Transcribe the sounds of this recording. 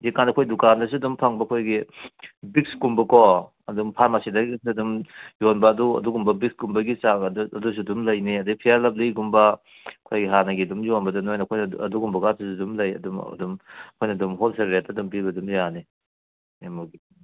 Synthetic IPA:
zikanɐkʰojdukandɐs̬uɐdumpʰaŋbɐɐkʰojɡi | bik̚skumbɐkɔ | ɐdumpʰaɾmasidɐɡisuɐdumjonbɐːduɐ̰duɡumbɐbik̚skumbɐɡisaɡɐdus̬udumlɐjniɐdɐɡpʰijaɾlɐp̚liɡumbɐ | ɐkʰojɡiɦanɐɡiɐdumjonbɐdɐnojnɐkʰojnɐɐduɡumbɐɡasʰusudumlɐjɐ̰dṵdumkʰojnɐdumɦolseɾɾetːɐdumpiɡɐdumjani | emuɡi

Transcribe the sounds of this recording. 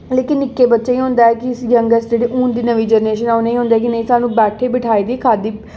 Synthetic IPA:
leːkɪnːɪkːeːbətːʃaːiːɦõːnd̪aːɛːkɪjəŋɡəsd͡ʒeːɽiːʔuːnd̪iːnəʋiːd͡ʒəɾneːʃənɛːoneĩːɦõːnd̪aɛːkɪnə̃ĩːsaːnũːbɛːʈʰeːbɪʈʰaːiːd̪iːkʰaːd̪iː

